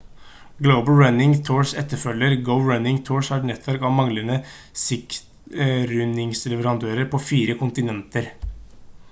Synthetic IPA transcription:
ɡləʊbəl̩ɹanɪŋt̪ʰoːɹʂɛt̪ːəɾfœljːəɾɡəʊɹœnɪŋt̪ʰoːɹʂhæʈnɛt̪ːʰʋæɾkɑʋmɑŋlənə | sɪkt̪ɾʏnɪŋslɛʋəɾɑnd̪øːɾəɾpʰoːfiːɾəkʰʊnt̪ɪnɛnt̪əɾ

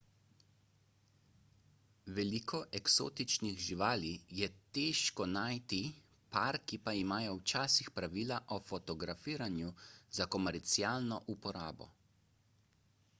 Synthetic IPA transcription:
ʋɛliːkʰɔʔɛkso̰ːt̪it͡ʃniɣʒiʋaːlijɛt̪eːʃkɔnaːjt̪i | paɾkipaimaːjɔwt͡ʃaːsixpɾaʋiːlaʔɔfɔt̪ɔɡɾafiːɾanjuzakɔmɛɾt̪siaːlnɔʔupɔɾaːbɔ̰

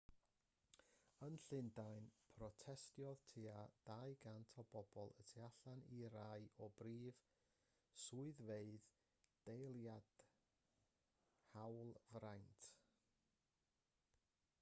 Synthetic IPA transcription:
ənɬɪndajnpʰrɔtʰɛstjɔð̥tʰiːad̥aɨɡantʰɔbɔbɔlˠətʰiaɬaniɾaɨɔbriːv | suɨðveɨð | d̥ejlˠjad̥ | hawlˠvrajntʰ

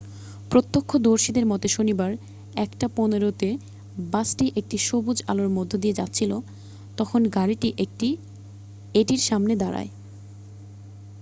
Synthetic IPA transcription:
pɾot̪ːokʰːod̪oɾʃid̪eɾmɔt̪eʃonibaɾ | ɛkʈaponeɾot̪e | basʈiʔek̚ʈiʃobud͡ʑa̰loɾmod̪ʱːod̪ied͡ʑatːɕʰilo | t̪ɔkʰonɡaɾiʈiʔek̚ʈi | eʈiɾʃamned̪aɾa̰e

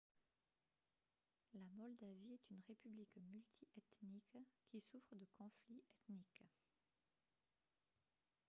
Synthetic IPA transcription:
lamɔld̪aviɛt̪ynʁepyblikmylt̪ʰiʔɛt̪nikkʲːisufχəd̪əkɔ̃fliʔɛt̪nik

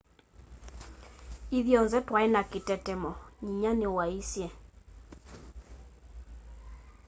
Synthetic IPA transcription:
iðjɔnzɛtwaɛnaketɛtɛmɔɲiɲanɪwaisjɛ

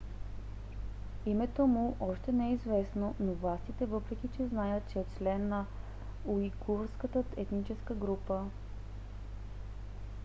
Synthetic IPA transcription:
imɛt̪omuʔɔʃt̪ɛnɛɛizvɛsnonovlˠast̪it̪ɛvɤpɾɛk̟ʲit͡ʃɛznajət̪̚t͡ʃɛot͡ʃlɛnːɐ | uiɡuɾskət̪əɛt̪nit͡ʃɛskəɡɾupə

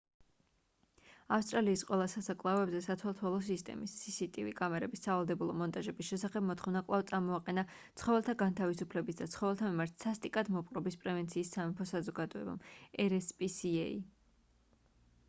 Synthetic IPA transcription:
afst̪ʼɾaliːsqʼwɛlˠasasakʼlˠaɔɛbzɛsat̪ʰwɛlˠt̪ʰwɛlˠɔs̬ist̪ʼɛ̰misːisit̪ʼivḭkʼamɛɾɛbisːavalˠd̪ɛbulˠɔmɔnt̪ʼaʒɛbisʃɛsaχɛbmɔt̪ʰχɔvnakʼlˠavt̪sʼaɾmɔaqʼɛna | t̪sʰχɔvɛlˠt̪ʰaɡant̪ʰavisupʰlɛbisd̪at̪sʰχɔvɛlˠt̪ʰamimaɾt̪sast̪ʼikʼad̪mɔpʼqʼɾɔbispʼɾɛvɛnt̪sʰiːsːamɛpʰɔsazɔɡad̪ɔɛ̰ba̰mɛɾɛspʼisiɛ̰ḭ

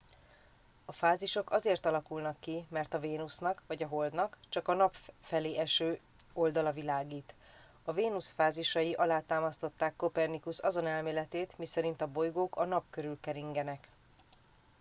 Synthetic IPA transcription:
ɒfaːziʃo̞kɒzeːrt̪ɒlɒkulnɒkːimɛrt̪ɒveːnusnɒkvɒɟɒɦo̞ld̪nɒkt͡ʃɒkɒnɒpfɛleːʔɛʃøː | o̞ld̪ɒlɒvilaːɡiːt̪ | ɒveːnusfaːziʃɒjiʔɒlaːt̪aːmɒst̪o̞t̪ːaːkːo̞pɛrnikusɒzo̞nɛlmeːlɛt̪eːt̪misɛɾint̪ɒbo̞jɡoːkʰɒnɒpkøɾylkɛɾiŋɡɛnɛk

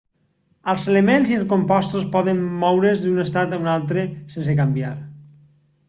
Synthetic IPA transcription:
əlˠzelemenziəlˠskompɔst̪ospɔðemːɔwɾezd̪unest̪at̪aunalˠt̪ɾesens̬ekambjaɾ

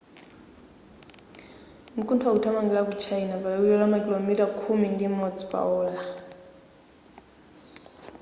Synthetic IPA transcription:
mukʰʼuntʰwautʰamaŋɡilakut͡ʃʰainapalakilɛlamakʼilomitakʰumindimɔd͡zi̥pʼa̰ɔːla

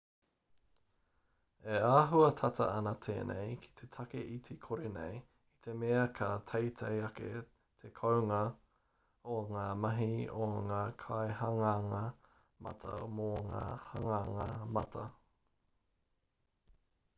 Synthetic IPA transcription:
eaːɦuɐt̪ʰɐt̪ʰɐ̰ʔɐnɐt̪ʰḛːnʔḛjkʰi̥t̪ʰet̪ʰɐkeʔit̪ʰekʰoɾenḛj | it̪ʰemeɐkʰɐt̪ʰɐjt̪ʰejɐkḛ | t̪ʰekʰowŋɐ | oŋaːmɐɦioŋaːkʰaehɐŋaŋɐ | mʔɐ̰t̪ʰɐ̰moŋa̰ːhɐŋaŋɐmɐt̪ʰɐ

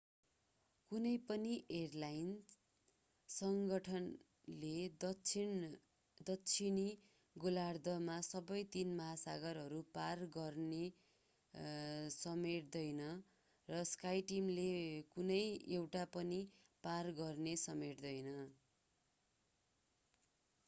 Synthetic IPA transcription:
kunʌjpʌniʔerlajn | sʌŋɡʌʈʰʌn | led̪ʌin | d̪ʌtːt͡sʰini | ɡolard̪ʌmasʌbʌjt̪inmaɦasaɡʌɾɦʌɾuparɡʌrne | sʌmeʈd̪ʌjnʌ | rʌskajʈimlekunʌjewʈapʌni | parɡʌrnesʌmeʈd̪ʌjnʌ

